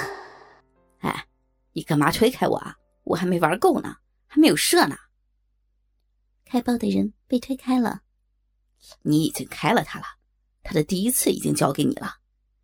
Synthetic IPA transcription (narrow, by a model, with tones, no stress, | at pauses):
a̰˥˧˩ɪ | ni˧˥ka˨˩nma˧˥t̪ʰwe˥ɪkʰa˥ɪwɔ̰˨˩ɐ̰˦ | wɔ̰˨˩xa˧˥me˧˥ɪwa˞˧˥ko˥˩ʊnə̰˨˩ | xa˧˥ɪme˧˥ɪjo˨˩ʊʂɤ˥˩nə̰˩ | kʰa˥ɪpɑ˥˧˩ʊd̪ə˨˩ɻə˧˥npe˥˧ɪt̪ʰwe˥ɪkʰa˥ɪlə̰˨˩ | ni˧˥i˨˩t͡ɕi˥ŋkʰa˥ɪlə˨t̪ʰa˥lə˩ | t̪ʰa˥d̪ə˨t̪i˥˩i˥t͡sʰɹ̩˥˩ḭ˨˩t͡ɕḭ˥ŋt͡ɕjɑ˥ʊke˧˥ɪnḭ˨˩lʔə˦